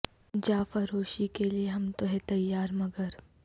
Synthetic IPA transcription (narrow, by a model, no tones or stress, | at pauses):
d͡ʒaːfɐɾoːʃikelieɦɐmt̪oɦɛt̪ɐjːaːɾmɐɡəɾ